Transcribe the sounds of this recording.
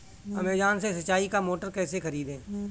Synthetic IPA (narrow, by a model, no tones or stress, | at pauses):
ɐmeːd͡ʒaːnsesɐt͡ʃaːikamoːʈəɾkɛːsexəɾiːd̪ẽː